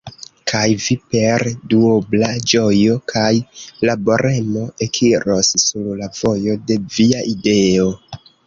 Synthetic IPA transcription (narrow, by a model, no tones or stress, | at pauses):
kʰajvipe̞ɾduoblad͡ʒo̞jo̞kʰajlabo̞ɾʔe̞mo̞e̞kʰiɾo̞ssuɾlavo̞jo̞de̞viaʔide̞o̞